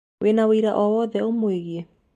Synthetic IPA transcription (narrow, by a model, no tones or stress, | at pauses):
wʔenaweiɾaʔɔwɔːðɛomweɣiɛ